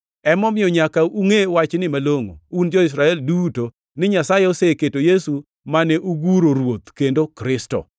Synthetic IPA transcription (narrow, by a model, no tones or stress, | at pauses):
ɛmɔmɪɔɲakauŋewat͡ʃnɪmaloŋo̰und͡ʒɔɪs̬ɾaɛlduto | nɪɲasajeoseketojesu | manɛʔuɡuɾoɾwot̪kendokɾɪstɔ̰